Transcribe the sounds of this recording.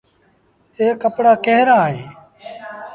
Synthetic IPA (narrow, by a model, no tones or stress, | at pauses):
eːkəpɽaːkeɦɾãːɦẽː